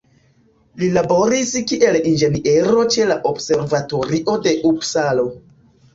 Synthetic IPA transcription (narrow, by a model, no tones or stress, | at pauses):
lilabo̞ɾiskiʔe̞lind͡ʒe̞niʔe̞ɾo̞t͡ʃe̞laʔobse̞ɾvato̞ɾiʔo̞de̞ʔubsalo̞